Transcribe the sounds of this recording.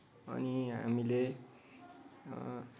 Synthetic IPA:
ʌ̰niɦa̰mile

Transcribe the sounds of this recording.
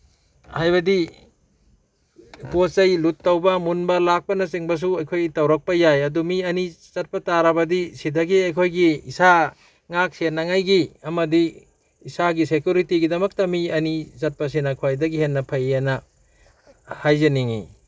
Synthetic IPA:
hajbɐdi | posɐjlutːɐwbɐmunbɐlak̚pɐnɐsiŋbɐs̬uɐjkʰojɡitɐwɾɐk̚pɐjajɐdumiɐni | zɐt̚pɐtaɾɐbɐdisidɐɡiɐjkʰojɡiisa | ŋak̚senːɐŋajɡiɐmɐdiː | saɡisekjuɾitiɡidɐmɐk̚tɐmiɐnizɐt̚pɐs̬inakʰuwajdɐɡihenːɐpʰɐjenɐ | hajzeniŋḭ

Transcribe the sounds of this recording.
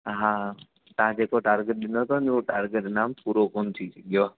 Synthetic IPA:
ɦãː | t̪ɐãd͡ʒeːkoʈaːɾɡəʈ̚ɗɪnot̪onioʈaːɾɡeʈnaːmpuːɾokont̪ʰit͡ʃəɡjoː

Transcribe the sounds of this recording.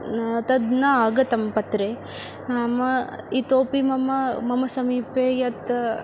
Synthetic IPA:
t̪ɐd̪nɐaːɡɐt̪ɐmpɐt̪ɾe | naːmɐ | it̪oːpimɐmɐmɐmɐsɐmiːpeːjɐt̪

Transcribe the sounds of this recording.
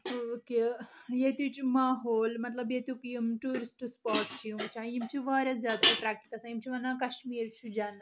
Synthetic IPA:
okejeːt̪ut͡ʃumaːɦoːlmɐt̪lɐbjeːt̪jukjimʈuːɾisʈspaːʈt͡ʃʰiumt͡ʃʰãːjimt͡ʃʰiʋaːɾʲɐzjaːd̪aɐpɾaːk̚ʈikɐsaimt͡ʃʰiʋɐnːãkɐʃmiːɾt͡ʃʰud͡ʒaːn

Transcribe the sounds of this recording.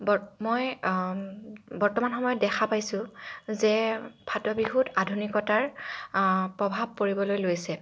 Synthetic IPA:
bɔmoj | bɔɹtɔmanxɔmɔjɔt̚dɛkʰapajsʊ̃zɛbʱatɔbiɦutʰadʱunikɔtaɹ | pɹɔbʱab̚koɹibɔlojlojsɛ

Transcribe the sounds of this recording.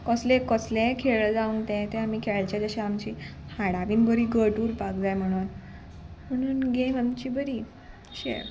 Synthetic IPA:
kɔslẽkɔslẽkʰeɭəd͡zaũŋɡt̪ɛ̃t̪ẽam̤iːkʰeɭt͡ɕad͡zəɕaamt͡ɕiːhaɽaʋiːnbəɾiːɡəʈuːɾpakd͡zajm̤əɽ̃uːn | m̤əɽ̃uːnɡemamt͡ɕiːbəɾiː | ɕḛɾ

